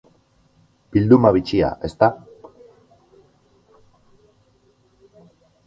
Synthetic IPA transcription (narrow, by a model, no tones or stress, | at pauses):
b̥ild̪umaβit͡ʃia̰ʔe̞st̪a